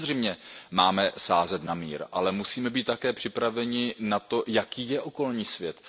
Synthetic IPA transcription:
rɛjmɲɛmaːmɛsaːzɛt̪namḭːɾʔalɛmusiːmɛbiːt̪t̪ːakɛːpr̝̥ɪpɾavɛɲɪnat̪o̞jakiːjɛʔo̞ko̞lɲiːsvjɛt̪

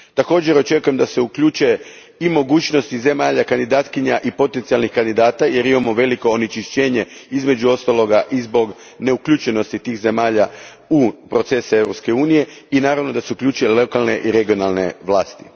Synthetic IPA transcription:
t̪ako̞ːd͡ʑe̞ɾo̞t͡ʃe̞kuje̞md̪ase̞ukʎuːt͡ʃue | imo̞ɡuːt͡ɕno̞st̪ize̞maːʎakand̪id̪aːt̪kiɲaʔipo̞t̪e̞nt̪sijalˠnixkand̪id̪aːt̪aje̞ɾimamoʋe̞liko̞ːnit͡ʃiʃt͡ɕeːɲe̞izme̞d͡ʑuo̞st̪alˠo̞ɡaʔizbo̞ɡ | ne̞ukʎut͡ʃe̞no̞st̪it̪iːxze̞maːʎa | upɾo̞t̪se̞saevɾopske̞uːnije̞inaːɾaʋno̞d̪aseukʎʲuːt͡ʃuelokalneʔiɾe̞ɡio̞nalˠne̞ʋlˠaːst̪i̥

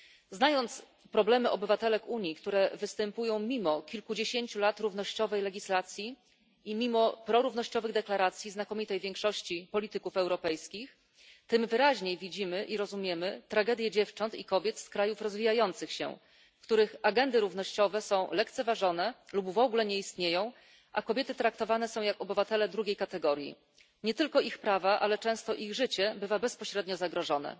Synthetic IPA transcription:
znajɔnt̪s | pɾɔblɛmɘʔɔbɘvat̪ɛlɛkuɲjikt̪uɾɛvɘst̪ɛmpujɔ̃w̃mʲimɔkʲilkud͡ʑeɕeɲt͡ɕulat̪ɾuvnɔɕt͡ɕɔvɛjlɛɡʲislat̪sʲji | imʲimɔpɾɔɾuvnɔɕt͡ɕɔvɘɣd̪ɛklaɾat̪sʲjiznakɔmʲit̪ɛjvʲjeŋkʂɔɕt͡ɕipɔlʲit̪ɘkufɛwɾɔpɛjskʲix | t̪ɘmvɘɾaʑɲejvʲid͡ʑimɘʔiɾɔzumʲjɛmɘt̪ɾaɡɛd̪jɛd͡ʑɛft͡ʂɔnt̪ikɔbʲjɛt̪skɾajufɾɔzvʲijajɔnt̪sɘxɕɛ̰ | fkt̪uɾɘxaɡɛnd̪ɘɾuvnɔɕt͡ɕɔvɛsɔ̃w̃lɛkt̪sɛvaʐɔn̪ɛlubvɔɡulɛɲɛist̪ɲejɔ̃w̃ | ʔakɔbʲjɛt̪ɘt̪ɾak̚t̪ɔvanɛsɔ̃w̃jakɔbɘvat̪ɛlɛd̪ɾuɡʲejkat̪ɛɡɔɾʲjḭ | ɲɛt̪ɘlkɔixpɾavaʔalɛt͡ʂɛ̃w̃st̪ɔʔiɣʐɘt͡ɕɛbɘvabɛspɔɕɾɛd̪ɲɔzaɡɾɔʐɔnɛ̰

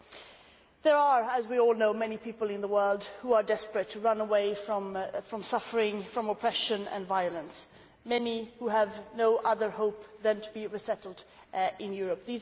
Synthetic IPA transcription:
ðə˞ə˞əzwiɔlˠnoʊmɛnipʰipl̩ˠɨ̃nðəwɜ˞lˠd̚huə˞dɛspɹɨtʰɨɹʌ̃nəweɪfɹʌ̃mfɹʌ̃msʌfə˞ɪ̃ŋfɹʌ̃məpʰɹ̥ɛʃɨ̃nɨ̰̃nvaɪɨlˠə̃ns | mɛnihuəvnoʊʔʌðə˞ɦoʊp̚ðɨ̃ntʰəbiɹəsɛɾl̩ˠd | ɪ̃njʊɹɨp̚ðiz

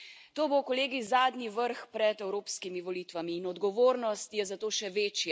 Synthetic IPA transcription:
t̪oːbowkɔleːɡizaːd̪niʋəɾxpɾɛt̪ɛwɾoːpskimiʋɔliːt̪ʋamiːnɔd̪ɡɔʋoːɾnɔst̪jɛzat̪oːʃɛʋeːt͡ʃja

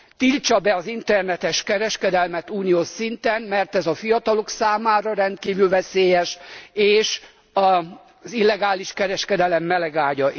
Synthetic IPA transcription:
t̪ilt͡ʃɒbɛɒzint̪ɛrnɛt̪ɛʃkɛɾɛʃkɛd̪ɛlmɛt̪uːnijoːʃsint̪ɛnmɛrt̪ɛzɒfijɒt̪ɒlo̞ksaːmaːɾɒɾɛnt̪̚kiːvylvɛseːjɛʃeːʃ | ɒ | zilːɛɡaːliʃkɛɾɛʃkɛd̪ɛlɛmːɛlɛɡaːɟɒʔ

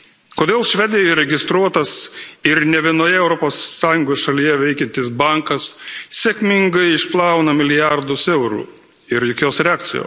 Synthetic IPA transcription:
koːd̪ʲeːlˠʃʲʋʲɛd̪ʲɪjɛɪɾʲɛɡʲɪst̪ɾuɔt̪ɐsɪɾnʲɛʋʲiɛnoːjɛɛʊɾɔpoːsːɑːjʊŋɡoːsʃɐlʲijɛʋʲɛɪkʲɛnt̪ʲɪs̬bɐŋkɐssʲɛkʲmʲɪŋɡɐɪɪʃplˠɑˑʊnɐmʲɪlʲɪjɑɾd̪ʊsɛʊɾṵː | ɪɾjɔkʲoːsɾʲɛaːk̚t̪sʲɪ̰jo̰ː

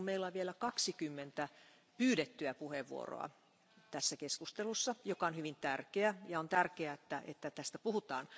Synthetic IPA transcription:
meilːɑʋʋielækɑksikymːent̪æ | pyːɾet̪ːyæpuheʋʋṵo̰ro̰ɑ̰ | t̪æsːækeskust̪elusːɑjokɑonhyʋint̪ærkeæjɑont̪ærkeæet̪ːæʔḛt̪ːæt̪æst̪æpuhut̪ɑ̰ːn

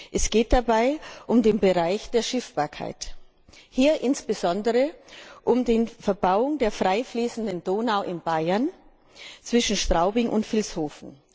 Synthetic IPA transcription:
ʔɛsɡ̥eːt̚d̥abaɪʔʊmdeːnbəʁaɪçd̥eːɐʃɪfb̥aːɐkʰa̰ɪt | hiːɐʔɪnsb̥əzɔndəʁəʔʊmdeːnfɛɐbaʊʊŋdeːɐfʁ̥aɪfliːsn̩dəndoːnaʊʔɪnbaɪɐn | t͡sv̥ɪʃn̩ʃtʁ̥aʊbɪŋʔʊ̰ntfɪlshoːfn̩

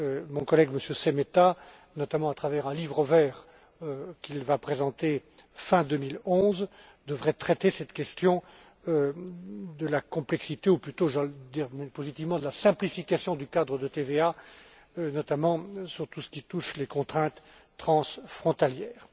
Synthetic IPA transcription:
ømɔ̃kɔlɛɡməsjøsemet̪a | nɔt̪amɑ̃at̪χavɛʁɛ̃livʁəvɛːʁ | kʲilvapχezɑ̃t̪efɛ̃d̪ømilɔ̃z | d̪əvʁɛt̪χɛt̪esɛt̪kʲɛst̪jɔ̃ | d̪əlakɔ̃plɛksit̪euplyt̪oʒɑld̪iʁmɛpozit̪ivmɑ̃d̪əlasɛ̃plifikʲasjɔ̃d̪ykad̪ʁəd̪ət̪evea | nɔt̪amɑ̃syʁt̪usə̥kʲit̪uʃlekɔ̃t̪χɛ̃t̪ː | χɑ̃sfχɔ̃t̪aljɛːʁ

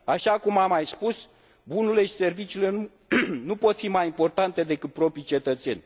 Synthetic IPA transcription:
aʃakumamajspus | bunule̞ʃi̥se̞rvit͡ʃiːle̞nu | nupo̞t̪fimajimpo̞rt̪ant̪e̞d̪e̞kɨt̪̚pɾo̞pɾijt͡ʃe̞t̪ət̪se̞̰nʲ

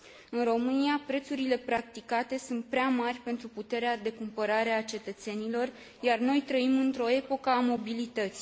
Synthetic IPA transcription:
ɨnro̞mɨniapɾe̞t̪suɾile̞pɾak̚t̪ikat̪e̞sunt̪̚pɾeamarʲpe̞nt̪ɾuput̪e̞ɾead̪e̞kumpəɾaɾe̞at͡ʃe̞t̪ət̪se̞nilo̞r | jarno̞jt̪ɾəimɨnt̪ɾo̞e̞po̞kəamo̞bilit̪ət̪sʲi

